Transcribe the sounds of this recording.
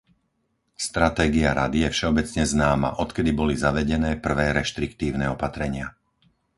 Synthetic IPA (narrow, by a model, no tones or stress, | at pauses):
st̪ɾat̪ɛːɡiaɾa̰d̪ijɛfʃɛɔbɛt͡sɲɛznaːma̰ʔɔt̪kɛd̪ibɔlizaʋɛɟɛnɛːpr̩ʋɛːɾɛʃt̪ɾikt̪iːʊnɛːɔpat̪ɾɛɲɪa